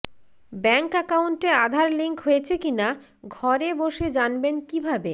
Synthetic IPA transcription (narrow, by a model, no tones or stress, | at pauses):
bɛŋkɛkaunʈead̪ʱaɾliŋkɦojet͡ɕʰekina | ɡʱɔɾeboʃed͡ʑanbenkibʱabe